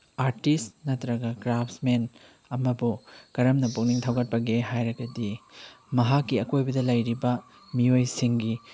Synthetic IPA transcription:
aɾtisnɐtɾɐɡɐɡɾapʰsmen | ɐmɐbukɐɾɐmnɐpuk̚niŋtʰɐwɡɐt̚pɐɡeɦajɾɐɡɐdi | mɐɦakːiɐkojbɐdɐlɐjɾibɐ | miojsiŋɡi

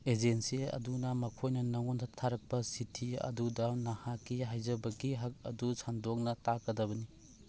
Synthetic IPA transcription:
ed͡ʒensiɐ̰dunɐmɐkʰojnɐnɐŋɔntʰatʰːaɾɐk̚pɐsitʰiɐ̰dudɐnahakːiɦajzɐbɐɡiɦɐk̚ɐ̰dusʰandɔk̚nɐtakɐdɐbɐni

